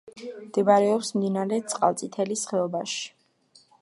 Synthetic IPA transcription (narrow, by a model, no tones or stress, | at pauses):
md̪̥ɛbaɾɛɔpsmd̪inaɾɛt̪sʼqʼa̰lˠt̪sʼit̪ʰɛlisχɛɔbaʃi̥